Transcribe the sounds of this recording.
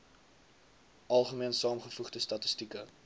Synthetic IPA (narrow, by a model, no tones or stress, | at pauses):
ʔɐlˠχəmiənsɑːmχəfuχdəstɐtəstikə